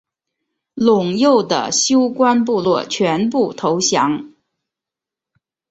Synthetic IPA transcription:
lʊ˨˩ŋjo˥˩ʊd̪ə̰˩ɕjo˥ʊkwa˥np̬u˥˧lwɔ˥˩t͡ɕʰɥɛ˧˥npu˥˩t̪ʰo˧˥ʊɕjɑ˧˥ŋ

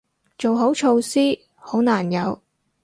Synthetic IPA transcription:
t͡ʃo˨wɦo˨˥wt͡ʃʰo˧wsiː˥ | ho˨˥wnaː˨˩njɐ˨˧w

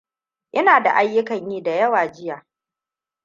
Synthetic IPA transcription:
ʔɪ˦naː˨da̰˨ʔa˦jːʊ˦kɐ˨ɲjiː˦da˨jɐ˦waː˨d͡ʒɪ˦jaː˨

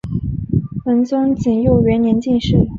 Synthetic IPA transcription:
fə˧˥nt͡sʊ˥ŋt͡ɕi˨˩ŋjo˥˩ʊɥɛ˧˥njɛ˧˥nt͡ɕi˥˧nʂɻ̩˥˩

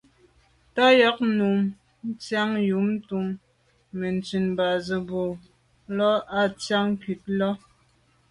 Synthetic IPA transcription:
ta˦jɔ˦k̚nu˨m | n̩˦t͡sja˦ŋju˨˦m˦tu˦mː | e˨n˨t͡si˨nba˨zə˨bo˨ | lɔ˦a˦t͡sja˦ŋ˦ki˨t̚lɔ˦

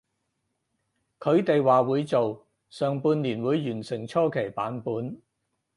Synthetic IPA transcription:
kʰɵ˨˧ɥt̪e˨jwaː˨wuː˨˧jt͡so˨w | sœː˨ŋpuː˧nliː˨˩nwuː˨˧jːyː˨˩nsɪ˨˩ŋt͡ʃʰɔː˥kʰe˨˩jpa̰ː˨˥npuː˨˧˥n

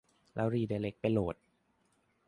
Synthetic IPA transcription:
lʔɛː˦˥wɾiː˧˩da˧˩le˦˥k̚pa˧jloː˨˩t̪̚

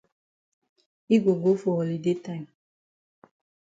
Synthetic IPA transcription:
i˦ɡo˨ɡo˦fo˨ɔ˨li˨de˦ta˦˨m

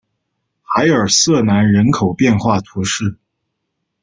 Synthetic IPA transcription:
xa˧˥ɪə˞˨˩sɤ˥˩na˧˥nɻə˧˥nkʰo˨˩ʊpjɛ˥˧nxwa˥˩t̪ʰu˧˥ʂɻ̩˥˩

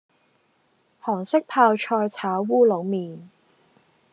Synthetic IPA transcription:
hɔː˨˩ŋsɪ˥k̚pʰaː˧wt͡ʃʰɔː˧jt͡sʰaː˨˥wːuː˥lo˨˧wmiː˨n

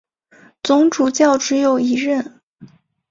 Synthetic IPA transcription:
t͡sʊ˧˥ŋʈ͡ʂu˨˩t͡ɕjɑ˥˩ʊʈ͡ʂɻ̩˧˥jo˨˩ʊi˧˥ɻə˥˩n

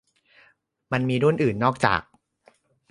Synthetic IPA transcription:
ma˧nmiː˧ɾu˥˩˨nʔɯː˨˩nːɔː˥˩k̚t͡ɕa̰ː˨˩k̚

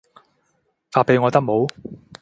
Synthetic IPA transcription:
faː˧pe˨˧jŋɔː˨˧t̪ɐ˥k̚mo˨˧w

